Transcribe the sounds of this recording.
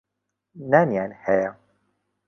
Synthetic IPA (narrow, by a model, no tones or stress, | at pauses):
naːnjaːnhɛja